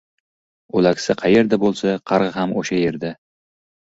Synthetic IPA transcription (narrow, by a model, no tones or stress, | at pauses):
olakʲsaqʰɑje̞ɾd̪abolˠsaqʰɑɾʁɨhamoʃaje̞ɾd̪a